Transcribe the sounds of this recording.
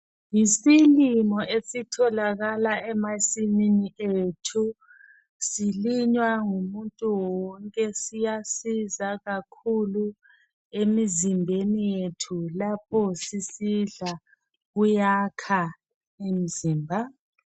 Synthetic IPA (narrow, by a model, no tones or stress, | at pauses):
jisilimɔʔesitʰɔlaɣalaɛmasininietʰu | siliɲwaŋumuntʼuwɔŋkʼɛsijasizaɣakʰulu | emizimbʱenijjetʰulapʰɔsisiɮa | ɣujakʰa | emiziːmbʱa